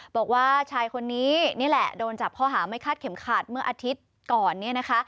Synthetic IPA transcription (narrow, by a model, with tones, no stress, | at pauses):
bɔː˨˩k̚waː˥˩t͡ɕʰaː˧jkʰo˧nːiː˦˥ni˥˩˨lɛ̰˨˩doː˧nt͡ɕa˨˩p̚kʰɔː˥˩ɦaː˩˦ma˥˩jkʰaː˥˩t̪̚kʰe˩˦mkʰaː˨˩t̪̚mɯ˥˩ɐʔaː˧t̪ʰi˦˥t̪̚ | kɔː˨˩nːi˥˩ɐna˦˥kʰa˦˥ʔ